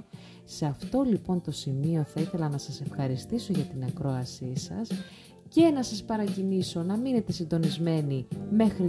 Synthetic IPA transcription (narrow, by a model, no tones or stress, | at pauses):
seɐft̪o̞lipo̞nt̪o̞simio̞θɐiθe̞lɐnɐsɐse̞fxɐɾist̪iso̞ʝɐt̪inɐkɾo̞ɐsisɐ̰s | ce̞nɐsɐspɐɾɐciniso̞nɐmine̞t̪e̞sind̪o̞nizme̞nime̞xɾi